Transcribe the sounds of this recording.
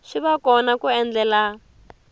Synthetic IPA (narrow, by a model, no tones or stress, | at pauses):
ʃiβakɔnakuɛnd͡ɮɛla